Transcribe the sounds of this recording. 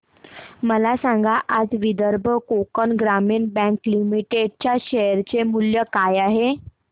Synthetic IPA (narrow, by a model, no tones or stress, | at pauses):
məlasãŋɡaʔad͡zʋid̪əɾbʱəkokənɡɾamiːɳbɛ̃ŋklimiʈeɖ̚t͡ɕjaɕɛəɾt͡ɕemuljəkajaɦe